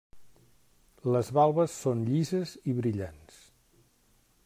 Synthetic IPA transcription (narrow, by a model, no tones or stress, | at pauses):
ləzβalˠβəsːonʎizəziβɾiʎans